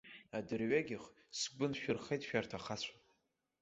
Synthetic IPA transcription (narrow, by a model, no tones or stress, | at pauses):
adɨrɥaɡʲɪχ | sɡʷʊnʃᶣʊrχejtʼʃᶣartʰaχat͡ɕʷʰa